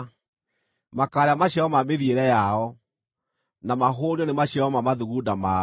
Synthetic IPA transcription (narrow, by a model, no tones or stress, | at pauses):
makaːɾeamaɕjaɔmameðieɾɛjaɔ | namaɦoːɾiɔnemaɕaɔmamaðuɣudama